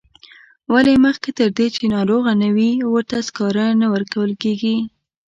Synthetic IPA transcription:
waleməxket̪əɾd̪et͡ʃenɑɾoɣanawiwəɾt̪askɑɾanawəɾkawəlkeɡi

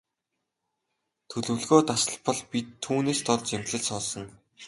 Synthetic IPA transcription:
t̪ʰɵɮɵ̆ɮɣoːt̪asə̆ɮpɔ̆ɮpʲit̪ʰːuːneːst̪ɔrt͡ɕemɮɘ̆ɮsɔːsɞ̆n

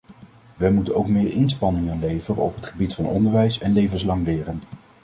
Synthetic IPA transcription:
ʋəmutənowkmɪːɹʔɪnspɑnɪŋənlejvəɾəɔ̰pɦətχəbitfɑnɔ̰ndəɹʋɛjsɛnlejvənslɑŋlɪːrən

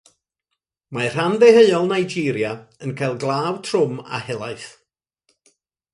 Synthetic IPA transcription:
mar̥andɛheɨɔlˠnajd͡ʒiːɾjaənkʰajlˠɡlˠaːwtʰrʊma̰hɛlˠaɨθ

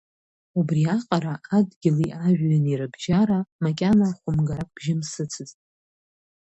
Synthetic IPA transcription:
ubriaqʼaɾaʔadɡʲɪliʔaʒᶣːaniɾɨbʒaɾamakʲʼanaχʷʊmɡaɾakʷʰʼb̥ʒɪmsɨt͡sʰɨztʼ

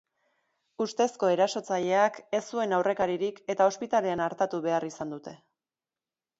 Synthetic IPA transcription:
ust̪e̞sko̞e̞ɾaso̞t͡saʎe̞ake̞sːue̞nawre̞kaɾiɾike̞t̪ao̞spit̪ale̞anaɾt̪at̪uβe̞arisand̪ut̪e̞

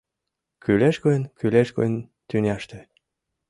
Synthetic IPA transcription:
kyleʃkoənkyleʃko̰n | t̪ynʲæʃt̪ĕ

